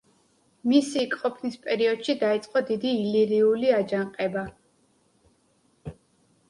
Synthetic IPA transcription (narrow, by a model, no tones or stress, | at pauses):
misikʼqʼɔpʰnispʼɛɾiɔd̪̥ʃid̪ait̪sʼqʼɔd̪id̪iːliɾiuliad͡ʒaŋqʼɛba